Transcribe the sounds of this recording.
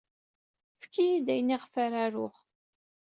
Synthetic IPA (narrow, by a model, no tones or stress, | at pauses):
fkːijid̪æjniʁfaɾaɾʊχ